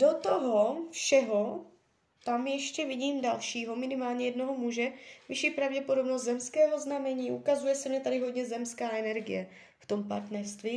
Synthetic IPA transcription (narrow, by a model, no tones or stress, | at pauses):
do̞t̪oɦofʃɛɦo̞ | t̪amjɛʃcɛvɪɟiːmdalʃiːɦo̞mɪnɪmaːlɲɛjɛdno̞ɦomuʒɛvɪʃiːpɾavɟɛpo̞do̞bnost̪zɛmskɛːɦoznamɛɲiːʔukazujɛsɛmɲɛt̪adɪɦodɲɛzɛmskaːɛnɛɾɡɪ̰jɛ | ft̪o̞mpa̰ɾt̪nɛɾst̪viː